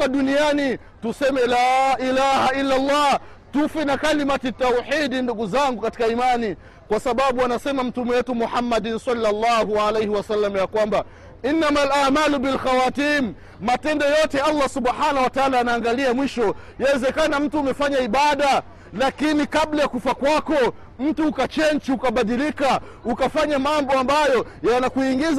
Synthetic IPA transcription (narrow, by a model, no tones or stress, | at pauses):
aɗuniani | tusɛmɛlaːʔilahailːalːɑː | tufinakalimatitːauħiɗinduɡuzaŋɡukati̥kaimani | kwasaɓaɓuanasɛmam̩tumɛwɛtumuħamːaɗnsalːalːahuʕalejhiwasalːamajakwamba | ʔinːamalʔaʕmaːlubilxawatiːmː | atɛndɔjɔtɛalːasuɓħanahwataalaːnaːŋɡaliamwiʃɔ | jawɛzɛkanam̩tuːmɛfaɲaiɓaɗa | lakinikaɓlajakufakwakɔ | m̩tuːkat͡ʃɛnt͡ʃiukaɓaɗilika | ukafaɲamambɔambajɔjanakuiŋɡiz